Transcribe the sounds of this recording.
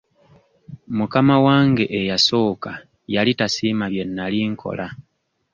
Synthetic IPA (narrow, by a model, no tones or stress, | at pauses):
mukamawaːŋɡe̞ʔejaso̞ːka | jalitasiːmaβje̞nːaliːŋkʰo̞̰lʔa